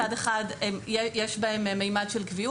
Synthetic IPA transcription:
adeχademjejeʃbahemmːejmadʃelkviu

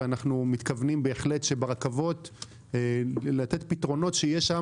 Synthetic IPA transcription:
anaχnumit̪kavnimbe̞ːχle̞tʃe̞beʁakavo̞t | lat̪e̞tpitʁo̞no̞tʃejeʃa

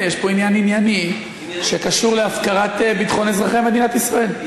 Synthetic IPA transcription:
jeʃpo̞injaninjani | ʃekaʃuʁleafkaʁat̪ebit̪χo̞nezʁaχeme̞d̪inat̪isʁae̞l

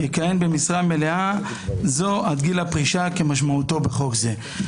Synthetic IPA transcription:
jekaje̞nbe̞misʁame̞le̞a | zo̞ad̪ɡilapʁiʃake̞maʃ̬maut̪o̞be̞χo̞kze

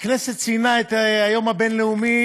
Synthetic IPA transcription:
kneset̪̚t͡sinaet̪ajo̞mabenleumi

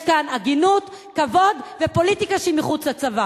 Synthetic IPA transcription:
kanaɡinut̪ | kavo̞d̪vepo̞lit̪ikaʃimiχut͡slat͡sava

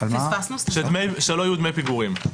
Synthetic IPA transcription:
alfasnusʃed̪mejʃeloajud̪mejpiɡuʁim

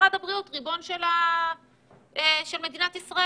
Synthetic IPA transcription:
adabʁiutʁibo̞nʃela | eʃelme̞d̪inat̪isʁa

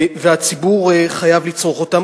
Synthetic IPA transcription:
veat͡sibuʁχajavlit͡sʁoχo̞tam

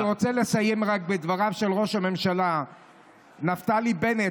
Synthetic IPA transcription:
ʁo̞t͡selesajemʁak̚bed̪vaʁavʃe̞lʁo̞ʃame̞mʃala | naft̪alibe̞ne

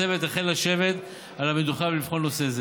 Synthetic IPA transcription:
evet̪aχejlaʃe̞vet̪ | alamed̪uχavlifχo̞lno̞seze

